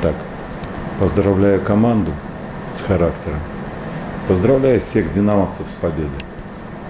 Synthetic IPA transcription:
t̪ak | pəzd̪ɾɐvlʲæjʊkɐmand̪ʊ | sxɐɾaktʲɪɾəm | pəzd̪ɾɐvlʲæjʊfsʲeɣdʲɪnaməsəfspɐbʲed̪ɨ

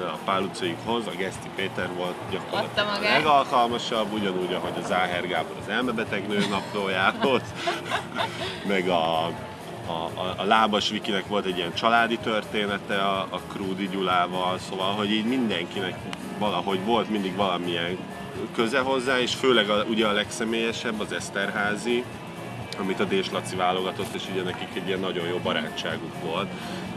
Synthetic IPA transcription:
ɒpaːlːut̪sojikɦo̞zɒɡɛst̪ipeːt̪ɛrʋo̞lt̪ɟɒkorlɒt̪lɛɡɒlkɒlmɒʃɒbːuɟɒnuːɟɒɦo̞ɟɒzaːɦɛrɡaːbolɒ̰zɛlmɛbɛt̪ɛɡnøːnɒploːjaːvoz | mɛɡɒ | laːbɒʃʋikinɛkʋo̞lt̪ɛɟːijɛnt͡ʃɒlaːd̪it̪ørt̪eːnɛt̪ɛːkruːd̪iɟulaːvɒlso̞vɒlɦo̞ɟiːɟmind̪ɛŋkinɛk | ʋɒlɒɦo̞ɟʋo̞lt̪mind̪iɡʋɒlɒmiɛŋ | køzɛɦo̞zːaːeːʃføːlɛɡɒuɟɛɒlɛksɛmeːjɛʃɛbːɒzɛst̪ɛrɦaːzi | ɒmit̪ɒd̪eːʃlɒt̪sivaːlo̞ɡɒt̪o̞t̪ːeːʃuɟɛnɛkikɛɟːiɛnːɒɟo̞joːbɒɾaːt͡ʃːaːɡukʋo̞lt̪

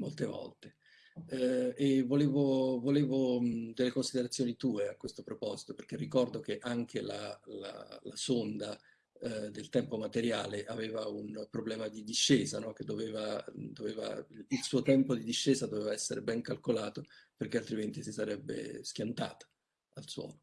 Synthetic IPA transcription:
mo̰lt̪evɔ̰lt̪e | evːoleːvovoleːvod̪elːekonsid̪eɾat̪sːjoːnit̪uːeakwest̪opɾopɔzi̥t̪operk̟erːikɔrd̪ok̟eʔaŋkʰela̰la̰lasond̪a | d̪elt̪ɛmpomat̪eɾja̰ːleʔaveːvaunpɾoblɛːmad̪id̪iʃːeːzanɔk̟ed̪ːoveːvad̪oveːva̰ilsuːot̪ɛmpod̪id̪iʃːeːzad̪oveːvaɛsːeɾebɛŋkalkolaːt̪operk̟ealt̪ɾiment̪isisaɾɛbːḛsk̟jant̪a̰ːt̪ḁ | alswɔ̰ːlo

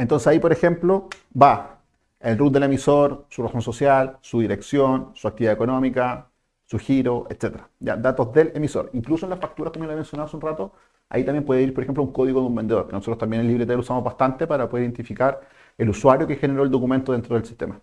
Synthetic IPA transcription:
ent̪o̞nsesaipo̞ɾexe̞mplo | ba | elrut̪̚d̪ele̞misoɾsuraso̞nso̞sjalsuðiɾe̞ksjonsuak̚t̪iβiðaeko̞nomika | suxiɾoʔet̪set̪eɾaɟ͡ʝa̰d̪at̪ozðelemiso̞̰ɾiŋklusoenlasfak̚t̪uɾakomojenloeme̞nsjonaðaseunrat̪o | a̰it̪ambjempweðeiɾpoɾexemplouŋko̞ðiɣoðumbend̪e̞ðo̞ɾkenosot̪ɾot̪ambjenelːiβɾet̪elusamoβast̪ant̪epaɾapoðeɾiðent̪ifikaɾ | eluswaɾjokexeneɾo̞eld̪o̞kume̞nt̪oðent̪ɾoð̞elsi̥t̪ema

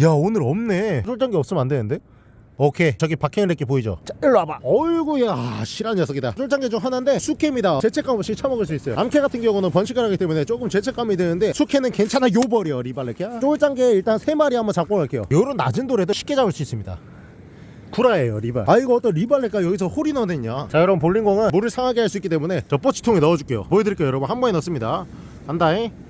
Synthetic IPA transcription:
jaonɯɾʌmne̞d͡ʑʰoɭt͡ɕ͈aŋɡeʌp̚s͈ɯmnandenɯnde̞ | ʌkʰe̞t͡ɕʌɡipakʰeɯɭɾek͈epoid͡ʑo̰t͡ɕaiɭːabaʌɭɡueaɕʰiɾanjʌsʰʌɡida̰d͡ʑʰoɭt͡ɕ͈aŋɡed͡ʑoɦanɯnde̞sʰukʰemɲidat͡ɕe̞t͡ɕʰe̞k͈amʌɕ͈it͡ɕʰamʌɡɯɭs̬͈uis͈ʌjo̰amkʰe̞ɡatʰɯnɡjʌŋɡunɯnpwʌnɕʰikʰɯɾɦaɡit͈e̞mune̞t͡ɕok͈ɯmt͡ɕe̞t͡ɕʰe̞k͈amidwenɯnde̞sʰukʰe̞nɯnke̞nt͡ɕʰanajobʌɾijoɾibaɭːek͈ʰt͡ɕ͈oɭt͡ɕ͈aŋɡe̞iɭt͈ansʰe̞maɾihambʌnt͡ɕak͈ok͈aɭk͈e̞jo̰joɾonːa̰d͡ʑindoɾe̞dɯɕʰi̥k͈ed͡ʑabɯɭs͈uis͈ɯmɲida̰ | kuɾaejoɾiba̰ɭaiɡʌʌt͈ʌnɾibaɭːek͈ajʌɡis̬ʰʌhoɾinʌnɯɲat͡ɕajʌɾʌbɯnpoɭːinɡʌŋɯnmuɾɯɭsʰaŋɦaɡeɦaɭs͈uik͈ːit͈e̞mune̞t͡ɕʌp͈ʌt͡ɕʰi̥tʰoŋenʌʌd͡ʑuk͈ejo̰poidɯɾik͈eojʌɾʌbɯnhambʌŋinʌs͈ɯmɲida | andai

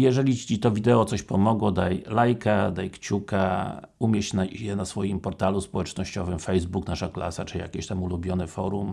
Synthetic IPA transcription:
jɛʐɛlʲiit̪ɔvʲid̪ɛɔt̪sɔɕpɔmɔɡwɔd̪ajlajkad̪ajkt͡ɕukaumʲjɛt͡ɕnajɛnasfɔjimpɔɾt̪aluspɔwɛt͡ʂnɔɕt͡ɕɔvɘmfɛjzbuknaʂakla̰sat͡ʂɨija̰kʲeɕt̪amulubʲjɔnɘfɔɾum

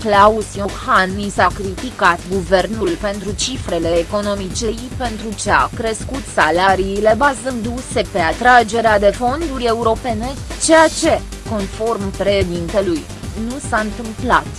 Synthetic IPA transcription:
klausjohanːisakɾit̪ikat̪ɡuve̞rnulpe̞nt̪ɾut͡ʃifɾe̞le̞ːko̞no̞mit͡ʃe̞jpe̞nt̪ɾut͡ʃea̰kɾe̞skut̪salaɾiːle̞bazɨnd̪use̞pe̞at̪ɾad͡ʒe̞ɾead̪e̞fo̞nd̪uɾʲe̞uɾo̞pe̞ne̞t͡ʃe̞jat͡ʃe̞ko̞nfo̞rmpɾe̞ʃed̪int̪e̞luj | nusaɨnt̪ɨmplat̪

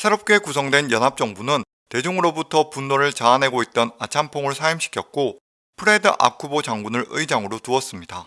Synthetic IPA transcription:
sʰe̞ɾʌp̚k͈e̞kusʰʌŋdwe̞njʌnɦap̚t͡ɕ͈ʌŋbunɯn | te̞d͡ʑoŋɯɾobutʰʌpunːoɾɯɭt͡ɕaːnɦe̞ɡoit̚t͈ʌnat͡ɕʰampʰoŋɯɭsʰaimɕʰi̥kʰjʌk̚k͈o | pʰɯɾe̞dɯʔa̰kʰubot͡ɕaŋɡunɯɾɯid͡ʑaŋɯɾotuʌs͈ɯmɲida

